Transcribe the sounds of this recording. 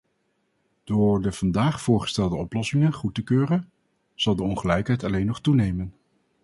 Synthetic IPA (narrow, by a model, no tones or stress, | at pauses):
d̥ʊːɹdəv̥ɑndaːχfʊːɹχə̥stɛlˠdəɔplɔsɪŋənχutəkøːrən | z̥ɑlˠdəɔnχəlɛjkɦɛjtɑlejnːɔχtunejmən